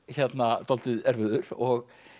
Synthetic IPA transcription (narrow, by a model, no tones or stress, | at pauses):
çɛt̪nat̪ɔlt̪ɪðɛɾvʏðʏɾɔɣ